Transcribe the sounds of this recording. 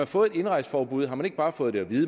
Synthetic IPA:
ɑfɔ̽ːð̩ˠe̝d̥e̝nʁɑ̈ɪsə̥fɒːb̥uð̰ˠɦɑmæne̝ɡ̥̚b̥ɑ̈ːfɔ̽ːð̞̩ˠd̥eɒ̽ʋiːðˠə

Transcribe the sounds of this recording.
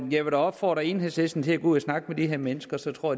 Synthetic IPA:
jæɪʋeɾæɒ̽b̥fɒ̰ːd̥ʁɐe̝ːn̩hesesn̩t͡sʰe̝æɡ̥uð̰ˠæsnɑ̈ɡ̥əmed̥iɦeɐ̰menəsɡ̥ɐsɒ̽t͡sʰʁo̝ɐ̰

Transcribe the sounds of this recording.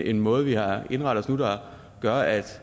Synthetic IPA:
enmɔ̽ːð̞̩ˠʋihɑ̈e̝nʁɑ̈ɾ̥ð̩ɒsnud̥ɑ | ɡ̥ɶɐʔæd̥

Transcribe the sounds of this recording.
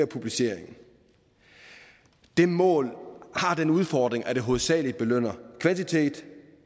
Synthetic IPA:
ɐpʰub̥lise̝ɐ̰eŋn̩ | d̥e̝mɔ̰̽ːlhɑ̈d̥enuð̞ˠfɒd̥ʁeŋʔæɾ̥e̝ɦo̝ːð̩ˠsɛ̰ːli̥b̥e̝løn̰ɐkʰʋænt͡sʰit͡sʰe̝̰ːd̥

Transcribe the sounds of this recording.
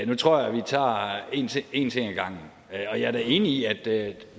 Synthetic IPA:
nut͡sʰʁo̝ɐ̰jɑʋit͡sʰɑ̰̈ːe̝nt͡sʰee̝nt͡sʰe̝ŋæɡ̥ɑ̈ŋ̰n̩ | ɒ̽jɑ̈æɐɾ̥æe̝ːniiæd̥

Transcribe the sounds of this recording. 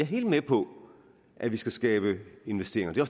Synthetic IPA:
ɑɐɦe̝ːld̥mepʰɒ̽ | ʔæʋisɡ̥æsɡ̥ɛːb̥əe̝nʋesd̥e̝ːɐeŋɐd̥e̝ɒs

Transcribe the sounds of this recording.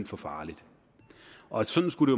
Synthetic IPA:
fɒ̽fɑ̈ːlid̥ | ʔɒ̽æ̥sɒ̽n̥n̩sɡ̥uɾ̥e̝jo

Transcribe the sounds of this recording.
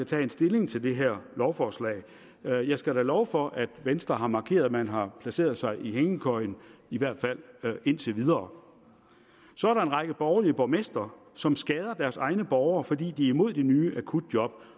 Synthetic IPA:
æt͡sʰɛ̰ːe̝nsd̥e̝le̝ŋt͡sʰe̝ld̥e̝ɦeɐ̰lɒʊfɒːslɛ̰ːɪ | jɑ̈ɪsɡ̥æɾælɒʊfɒ̽ʔæd̥ʋensd̥ʁɐɦɑ̈mɑ̈kʰe̝̰ːɐðˠmænɦɑ̈pʰlæse̝̰ːɐð̞ˠsɑ̈ɪʔiɦeŋəkʰɒ̽ɪniʋæɐ̰d̥fæl̰e̝n̰t͡sʰe̝ʋið̞ˠɐː | sɒæɐɾɑ̈e̝nʁɑ̈ɡ̥əb̥ɒːʊɐliəb̥ɒmesd̥ɐ | sɒ̽msɡ̥ɛːð̞ˠɐd̥æɐsɑ̈ɪnəb̥ɒʊɐːfɒ̽d̥ḭːd̥iæɐimo̝ð̞̰ˠd̥enyːʔækʰud̥̚d̥jɒ̽b̥̚

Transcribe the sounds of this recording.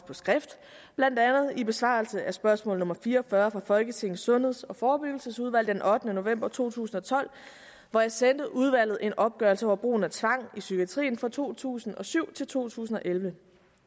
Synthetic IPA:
pʰɒ̽sɡ̥ʁɛfd̥ | b̥lænd̥ænð̩ˠib̥e̝sʋɑ̰̈lsəʔæsb̥ɶɐsmɔ̽ːl̩ð̩nɔ̽mɐfiːɐɒfɶɐfʁɑ̈fɒ̽lɡ̥ət͡sʰe̝ŋ̰n̩sɔ̽nheðˠsɒ̽fɒːb̥yɡ̥l̩səsuð̞ˠʋæl̰d̥enʔɒ̽d̥nəno̝ʋem̰b̥ɐt͡sʰo̝̰ːt͡sʰṵːsn̩ɒ̽t͡sʰɒ̽l̰ | ʋɒjɑ̈ɪsend̥əʔuð̞ˠʋæl̰ð̩ˠʔe̝nʔɒ̽b̥̚ɡ̥ɶɐlsəɒʊɐb̥ʁo̝̰ːn̩æt͡sʰʋɑ̈ŋ̰isyɡ̥iæt͡sʰʁḭːnfʁɑ̈t͡sʰo̝̰ːt͡sʰṵːsn̩ɒ̽syʊ̰t͡sʰe̝lt͡sʰo̝̰ːt͡sʰṵːsn̩ɒ̽ʔelʋə

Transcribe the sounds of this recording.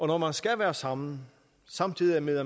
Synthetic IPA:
ʔɒ̽nɒmænsɡ̥æʋæːɐsɑ̈mn̩ | sɑ̈mt͡sʰið̰ˠiæmeð̰ˠɐ

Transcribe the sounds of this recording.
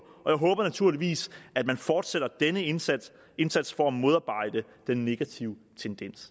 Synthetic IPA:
ɒ̽jɑ̈ɪɦɔ̽ːb̥ɐnæt͡sʰuɐ̰liʋḭːsæd̥̚mænfɒːd̥seɾ̥ɐd̥enə | e̝nsæd̥sfɒ̽æmo̝ð̞ˠɑ̈ːb̥ɑ̈ɪ̰d̥ə | d̥enːe̝ɡ̥æt͡sʰiʊət͡sʰend̥en̰s

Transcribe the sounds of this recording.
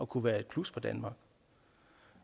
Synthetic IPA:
ɒ̽kʰuʋæːɐe̝d̥̚kʰlusfɒ̽d̥ænmɑ̈ɡ̥

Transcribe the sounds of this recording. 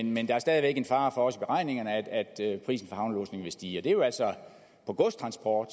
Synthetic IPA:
nmend̥ɑ̈æɐsd̥ɛːð̞ˠiʋeɡ̥əenfɑ̈ːfɒ̽ɒ̽səb̥e̝ʁɑ̈ɪ̰ne̝ŋɐnəæd̥æd̥pʰʁḭːsn̩fɒhɑ̈ʊnlɔ̰ːsne̝ŋʋe̝sd̥iːɒd̥ejo̝æl̰sɒ | pʰɒ̽ɡ̥ɔsdt͡sʰʁɑ̈nsb̥ʰɒ̰ːd̥

